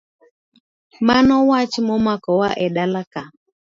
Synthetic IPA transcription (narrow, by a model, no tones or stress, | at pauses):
manɔwat͡ʃmɔmakɔwaʔɛɗalaka